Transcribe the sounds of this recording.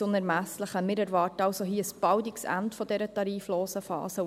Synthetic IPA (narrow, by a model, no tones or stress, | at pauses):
ʊnæɾmæsləχəmɪɾæɾʋɑːtɑwsoɦiːəəsb̥ɑwdiksæ̰ntfɔdɛɾətɑɾiːfloːsəfɑ̰ːsə